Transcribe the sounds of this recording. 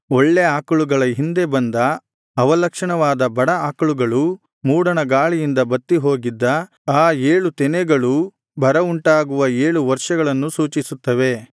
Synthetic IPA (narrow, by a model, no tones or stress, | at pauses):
oɭːeaːkɐɭuɡɐɭɐɦind̪e̞bɐnd̪ɐː | ʋɐlɐkʂɐɳɐʋaːd̪ɐbɐɽɐaːkɐɭuɡɐɭu | muːɽɐnɐɡaːɭijind̪ɐbɐt̪ːiɦo̞ːɡid̪ːɐ | aːeːɭut̪ɛnɛɡɐɭu | bʱɐɾɐuɳʈaːɡuʋɐeːɭuʋɐɾʂɐɡɐɭɐnːusuːt͡ʃisut̪ːɐʋe̞